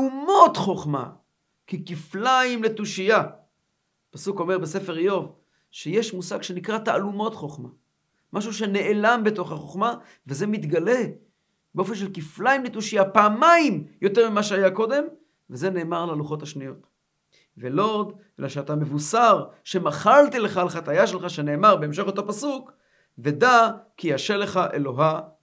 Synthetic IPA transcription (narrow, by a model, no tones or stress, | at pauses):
umo̞tχo̞χma̰ | kikiflaimle̞tuʃija | pasuko̞me̞ʁbese̞fe̞ʁjo̞v | ʃejeʃmusaɡʃe̞nikʁataalumo̞tχo̞χma | maʃ̬uʃe̞ne̞ʔelambeto̞χaχoχma | veze̞mit̪ɡale̞ | beofe̞nʃ̬e̞lkiflaimnit̪uʃiapaːmaimjo̞te̞ʁmimaʃeajako̞d̪e̞m | veze̞ne̞ːmaʁlaluχo̞thaʃnijo̞t̪ | velod̪ʔelaʃeatamevusaʁʃe̞maχalt̪ileχalχatajaʃelχaʃeneːmaʁbe̞emʃ̬e̞χot̪apasuk | ve̞dakijaʃele̞χaʔelo̞ɦa